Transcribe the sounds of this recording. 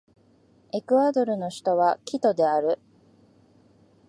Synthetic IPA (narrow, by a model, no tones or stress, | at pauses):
e̞kɯ̟ad̪o̞ɾɯ̟no̞ɕi̥t̪o̞βakʲit̪o̞d̪e̞aɾɯ̟